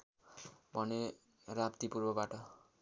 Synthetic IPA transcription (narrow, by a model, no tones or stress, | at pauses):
bʱʌne | rapt̪ipurbʌbaʈʌ